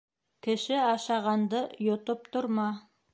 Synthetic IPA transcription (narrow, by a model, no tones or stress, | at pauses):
kɘ̆ʃɘɑʃɑʁɑnd̪ɤjŏt̪ɤp̚t̪oɾmɑ